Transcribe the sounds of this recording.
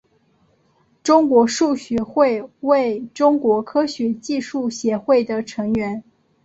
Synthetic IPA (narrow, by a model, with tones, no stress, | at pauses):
ʈ͡ʂʊ˥ŋkwɔ˧˥ʂu˥˩ɕɥɛ˧˥xwe˥˧ɪwe˥˩ɪʈ͡ʂʊ˥ŋkwɔ˧˥kʰɤ˥ɕɥɛ˧˥t͡ɕi˥˧ʂu˥˩ɕjɛ˧˥xwe˥˩ɪd̪ə˩ʈ͡ʂʰɤ˧˥ŋɥɛ˧˥n